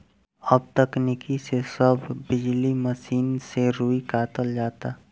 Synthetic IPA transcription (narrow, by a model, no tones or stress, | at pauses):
ɐb̚t̪ɐknikisesəbʱːɪd͡ʒliməsiːnseɾuːikaːt̪əld͡ʒaːt̪aː